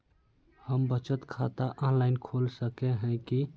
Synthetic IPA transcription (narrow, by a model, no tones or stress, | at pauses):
həmbət͡ʃət̪kʰat̪aʔɔ̃nlaɪnkʰolsəkeɦɛ̃ki